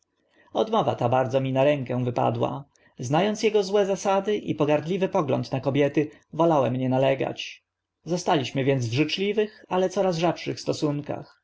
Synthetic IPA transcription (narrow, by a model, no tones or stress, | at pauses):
ɔd̪mɔva̰t̪abaɾd̪zɔmʲinaɾɛŋkɛ̃vɘpa̰d̪wa̰ | znajɔnt̪sjɛɡɔzwɛzasad̪ɘʔḭpɔɡaɾd̪lʲivɘpɔɡlɔ̰nt̪nakɔbʲjɛt̪ɘ | vɔlawɛmɲɛnalɛɡa̰t͡ɕ | zɔst̪alʲiɕmɘvʲjɛnd̪zvʐɘt͡ʂlʲivɘxalɛt̪sɔɾazʐapʂɘxst̪ɔsuŋka̰x